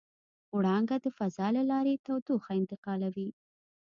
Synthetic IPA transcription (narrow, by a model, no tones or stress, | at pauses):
wɽɑŋɡad̪əfazɑlalɑɾet̪awd̪uxaɪnt̪ɪqɑlawi